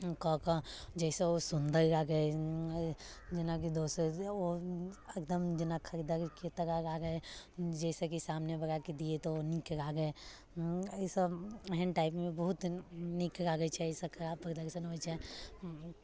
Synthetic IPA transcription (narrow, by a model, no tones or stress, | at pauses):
kɔ̃kəd͡ʒɛːseosʊnd̪ʱəɾɾaɡəe | d͡ʒɪnak̬id̪oːsoekd̪əmd͡ʒɪnakʰəɾid̪aɾket̪əɾaɾaɡəed͡ʒɛːsekisaːmnebəɾaked̪iet̪oonikɾaɡəe | əsəəɦənʈaːɪpmẽbəɦʊt̪nikɾaɡət͡ʃʰɛsekʰɐɾaːbpɾəd̪əɾʃənɦoɛt͡ʃʰɛ